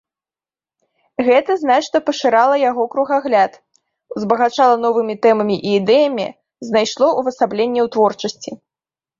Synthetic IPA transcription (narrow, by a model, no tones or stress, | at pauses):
ɣɛt̪ɐznat͡ʂnɐpɐʂɨɾalˠɐjaɣɔkɾuɣaɣlʲat̪ | uzbɐɣat͡ʂalˠɐnɔvɨmʲit̪ɛmɐmʲiʔiːd̪ɛjɐmʲḭ | znajʂlˠɔʔuvɐsablʲenʲːɛwt̪vɔrt͡ʂɐsʲt͡sʲi